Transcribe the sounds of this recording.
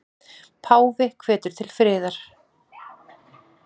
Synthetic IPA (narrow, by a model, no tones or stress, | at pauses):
pʰaːwvɪkʰv̥ɛːt̪ʏɾ̥t̪ʰɪlfɾɪːðaɾ̥